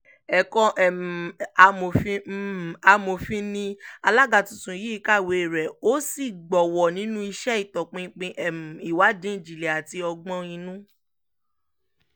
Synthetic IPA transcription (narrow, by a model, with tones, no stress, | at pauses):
ɛ˨kɔ̃˧ʔɛ˨a˧mo˨fi˦˨a˧mo˨fĩ˧nĩ˦a˧la˦ɡa˧˨tũ˨tũ˨ji˦i˦˧ka˦˨we˨ɾɛ˨o˦si˦˨ɡ͡bɔ˨wɔ˨nĩ˨˦nũ˦i˧ʃɛ˦i˦˨tɔ˨k͡pĩ˧˦k͡pĩ˧ʔɛ˨m˨i˨wa˨˦dĩ˦ĩ˦˨d͡ʒi˨le˨a˨ti˧ɔ˧ɡ͡bɔ̃˧ĩ˧nũ˦